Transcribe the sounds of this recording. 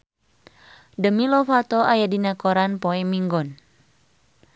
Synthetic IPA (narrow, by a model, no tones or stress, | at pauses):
dəmilɔfat̪ɔʔajadinakɔɾanpɔɛmiŋɡɔn